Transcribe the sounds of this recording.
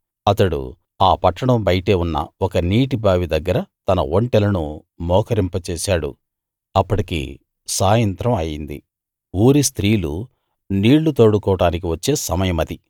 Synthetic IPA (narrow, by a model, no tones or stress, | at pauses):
ɐt̪ɐɽṵ | aːpɐʈːɐɽɐmbɐjʈeːunːɐ̰ɔkɐniːʈibaːʋid̪ɐɡːɐɾɐt̪ɐnɐ̰oɳʈɛlɐnu | mɔːkɐɾimpɐt͡ʃeːsaːɽṵ | ɐpːɐʈikḭ | saːjɐnt̪ɾɐmɐjind̪ḭ | uːɾist̪ɾiːlṵ | niːɭːut̪oːɽukɔːɐʈaːnik̬iʋɐt͡ʃːe̞ːsɐmɐjɐmɐd̪i